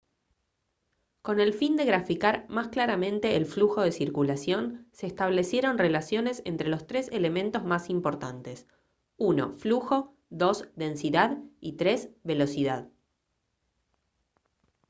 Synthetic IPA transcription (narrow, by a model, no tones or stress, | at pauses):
ko̞ne̞lfind̪e̞ɣɾafikaɾmasklaɾamẽnt̪e̞ːlfluxo̞ðe̞siɾkulasjo̞nseːst̪aβle̞sjeɾo̞nre̞lasjo̞ne̞se̞̰nt̪ɾelo̞st̪ɾe̞sele̞mẽ̞nt̪o̞zmasimpo̞ɾt̪ant̪e̞s | uno̞̰fluxo̞ | ðo̞sðe̞nsiðaðit̪ɾezβe̞lo̞siðað